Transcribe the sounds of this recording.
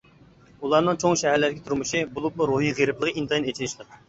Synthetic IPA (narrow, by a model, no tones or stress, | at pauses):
ulˠɑɾnɨŋt͡ʃʰoŋʃɛɦæɾlæɾɡʲɛt̪ʰuɾmɨʃibulˠupmˠuɾuɦiʁeɾɪplˠəʁint̪ʰɑjinet͡ʃʰinɪʃlˠəq